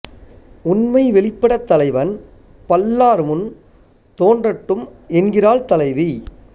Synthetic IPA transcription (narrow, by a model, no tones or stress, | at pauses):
ʊnmɐɪʋɛɭɪpːɐɽɐt̪ːɐlɐɪʋɐn | pɐlːaːɾmʊn | t̪oːndrɐʈːɯmɛnɡɪraːlt̪ɐlɐɪʋi